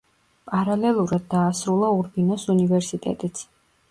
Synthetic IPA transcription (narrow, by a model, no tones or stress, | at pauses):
pʼaɾalɛlˠuɾad̪̚ːaːsɾulˠauɾbinɔsunivɛɾsit̪ʼɛ̰t̪ʼit̪sʰ